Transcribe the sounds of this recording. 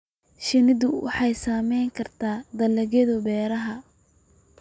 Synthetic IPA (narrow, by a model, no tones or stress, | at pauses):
ʃɪnɪðʊwʔɑ̰ħɑjsaːmɛjŋkʰɐrt̪ʰaːd̪ɐlɐɣɛðʊbɛːɾɐɦɐ